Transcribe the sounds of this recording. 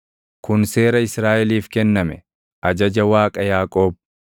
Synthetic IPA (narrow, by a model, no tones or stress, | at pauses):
kʊnse̞ːɾɐɪsɾaːʔɛliːfkɛnːɐmɛ | ʔɐd͡ʒɐd͡ʒɐwaːkʼɐjaːkʼo̞ːb̚